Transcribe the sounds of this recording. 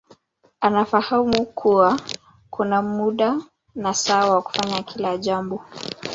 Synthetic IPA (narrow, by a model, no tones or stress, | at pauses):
anafahamukʰuwa | kʰunamuɗa | nasawawaku̥faɲakʰilaʄambɔ